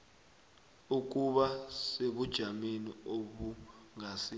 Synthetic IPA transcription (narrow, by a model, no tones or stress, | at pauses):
uk̬uɓaseɓud̥ʒ̥ʱamenioɓuŋasi